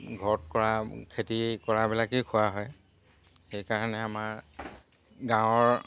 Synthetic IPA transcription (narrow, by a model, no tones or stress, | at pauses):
ɡʱɔt̚kɔɹakʰetikɔɹabilakekʰʊwaɦɔj | xejkaɹanɛamaɹ | ɡãwɔɹ